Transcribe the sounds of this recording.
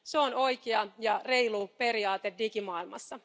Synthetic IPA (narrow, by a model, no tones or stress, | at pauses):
seono̞jkeɑjɑre̞jlupe̞ɾiɑːt̪eddikimɑːilmɑ̰sːɑ